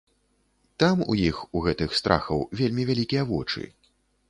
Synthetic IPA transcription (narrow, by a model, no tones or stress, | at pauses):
t̪amṵjixuɣɛt̪ɨxst̪ɾʔa̰xɐwvʲelʲmʲivʲalʲikʲijɐvɔt͡ʂɨ̰